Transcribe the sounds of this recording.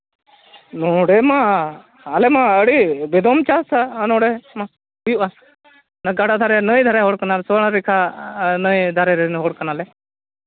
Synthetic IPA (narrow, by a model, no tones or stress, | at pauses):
noːɽeːmã | alemãəɽibed̪oːmt͡ʃaːsanõːɽemã | bijuʔa | nəɡaɽad̪ʱaːɾenəĩd̪ʱaɾaɦoɽkənaːlsoɳːɾikʰanəĩd̪ʱaɾeɾenɦoːɽkənaːle